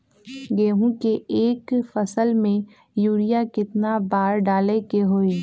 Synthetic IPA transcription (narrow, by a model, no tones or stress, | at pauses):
ɡeːɦũkeeːkfəsəlmẽ | juːɽijakɪt̪nabaːɾɖaːlekeɦoːiː